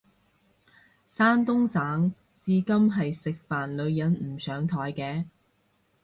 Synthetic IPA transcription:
saː˥nt̪ʊ˥ŋsaː˨˥ŋ | t͡siː˧kɐ˥mɦɐ˨jsɪ˨k̚faː˨nlɵ˨˧ɥjɐ˨˥nm̩˨˩sœː˨˥ŋt̪ʰɔː˨˥jkɛː˧

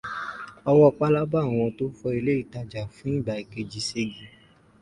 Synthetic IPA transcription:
ɔ˧wɔ˦˧k͡pa˦la˦ba˦˨w̃ɔ̃˧to˦fɔ˧i˧le˦i˦˨ta˧d͡ʒa˨fũ˦ĩ˦˨ba˨i˨ke˧d͡ʒi˧se˧ɡi˨

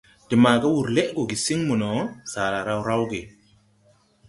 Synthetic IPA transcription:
di˨ma˨ɡa˦wu˨ɾle˦ʔɡo˨ɡi˨si˦ŋmu˨no˨˦sa˨ɾa˨ɾa˦wɾa˦wɡe˨

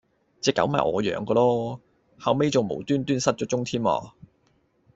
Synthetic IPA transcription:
t͡sɛː˨˧kːɐ̰˨˥wmɐ̰˨jʔɔ̰ː˨˧jœ̰ː˨˥ŋkɔː˧lɔː˥ | hɐ˨wme˥jt͡sʊ˨ŋmo̰˨˩wt̪yː˥nt̪yː˥nsɐ˥t̚t͡ʃɔː˨˥t͡sʊ˥ŋt̪ʰiː˥ma̰ː˧˩

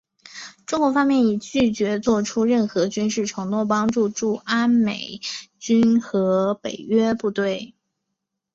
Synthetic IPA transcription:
ʈ͡ʂʊ˥ŋkwɔ˧˥fɑ˥ŋmjɛ˥˩ni˨˩t͡ɕy˥˩t͡ɕɥɛ˧˥t͡swɔ˥˩ʈ͡ʂʰu˥ɻə˥˩nxɤ˧˥t͡ɕy˥nʂɻ̩˥˩ʈ͡ʂʰɤ˧˥ŋnwɔ˥˩p̬ɑ˥ŋʈ͡ʂu˥˧ʈ͡ʂu˥˩a˥nme˨˩ɪt͡ɕy˥nxɤ˧˥pe˨˩ɪɥɛ˥pu˥˧t̪we˥˩ɪ

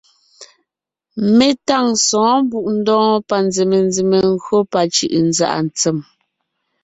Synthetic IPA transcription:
me˦˨ta˦˨ŋsɔ̃ː˨˦m˦bu˦˨ʔn̩˦dɔ̃ː˦pa˨n˦d͡ze˨me˨nd͡zi˨me˨ŋ˦ɡɣɰo˦pa˨t͡ʃḭ˦˨ʔn˦d͡za̰˦˨ʔa̰˨n˨t͡sɛ˦˨m

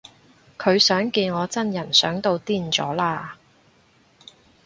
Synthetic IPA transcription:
kʰɵ˨˧ɥsœː˨˥ŋkiː˧nŋɔː˨˧t͡sɐ˥njɐ˨˩nsœː˨˥ŋt̪o˧wt̪iː˥˩nt͡sɔː˨˥laː˥˧

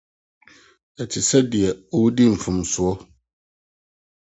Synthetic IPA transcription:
ɛ˨tʰɪ˨sɛ˦di˨ɛ˨o˦wu˦di˦m̩˨fũ˨msʊ˨ɔ˦

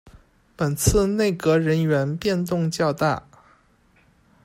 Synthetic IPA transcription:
pə˨˩nt͡sʰɹ̩˥˧ne˥˩ɪkɤ˧˥ɻə˧˥nɥɛ˧˥npjɛ˥˧nt̪ʊ˥˧ŋt͡ɕjɑ˥˧ʊt̪a̰˥˩

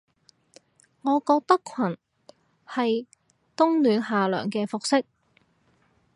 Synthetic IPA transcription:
ŋɔː˨˧kɔː˧k̚t̪ɐ˥kʰɐ˨˩n | hɐ˨j | t̪ʊ˥ŋlyː˨˧nɦaː˨lœ̰ː˨˩ŋkɛː˧fʊ˨k̚sɪ˥k̚

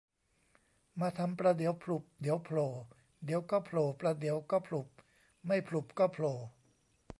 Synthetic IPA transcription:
maː˧t̪ʰa˧mpɾaː˧d̪i˨˩˦əwpʰlu˨˩p̚d̪i˨˩˦əwpʰloː˨˩ | d̪i˩˦əwkɔː˥˩pʰloː˨˩pɾa˧d̪i˩˦əwkɔː˥˩pʰlu˨˩p̚ | ma˥˩jpʰlu˨˩p̚kɔː˥˩pʰloː˨˩

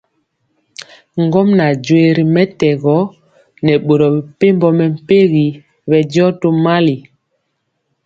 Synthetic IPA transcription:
ŋɡɔ˦mna˨d͡ʒwe˨ɾi˨mɛ˦tɛ˨ɣɔ˨˦ | nɛ˨ɓo˨ɾɔ˨bi˨pe˦mbɔ˦mɛ˨m̩˦˨pe˦ɣi˨ | βɛ˨d͡ʒɔ˦to˦ma˦li˨

